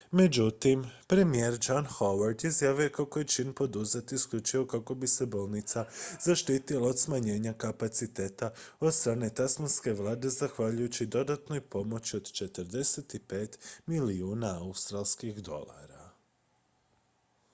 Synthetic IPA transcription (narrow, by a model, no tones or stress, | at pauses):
me̞d͡ʑut̪impɾe̞mijeɾd͡ʒanxoʋaɾd̪izjaːʋijokako̞jet͡ʃinpo̞d̪uzet̪iːskʎut͡ʃiʋo̞kako̞bise̞bo̞ːlˠnit̪sazaʃt̪iːt̪ilaod̪smaɲe̞ːɲakapat̪sit̪e̞ːt̪ao̞d̪st̪ɾaːne̞t̪asmanske̞ʋlˠaːd̪e̞zaxʋaʎujut͡ɕid̪o̞d̪at̪no̞jpo̞mo̞t͡ɕio̞d̪t͡ʃe̞t̪əɾd̪e̞set̪ipe̞ːt̪miliuːnaaust̪ɾalˠskixd̪o̞̰la̰ɾa